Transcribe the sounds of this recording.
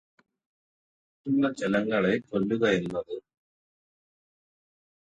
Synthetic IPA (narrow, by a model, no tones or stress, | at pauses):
tilːɐt͡ɕelɐŋːɐɭe̞kolːuɣɐe̞nːɐðɨ